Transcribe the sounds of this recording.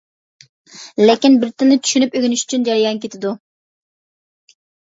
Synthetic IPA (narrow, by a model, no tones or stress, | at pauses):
lekʲinbɪɾt̪ɪnːɪt̪ʰy̥ʃynypøɡʲynyʃy̥t͡ʃʰynd͡ʒɑɾijɑnkʲet̪ʰɪd̪u